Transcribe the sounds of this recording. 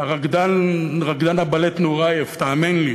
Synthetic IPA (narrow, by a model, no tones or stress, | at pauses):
aʁaɡd̪anʁaɡd̪anabalet̪noʁajeft̪aːmenli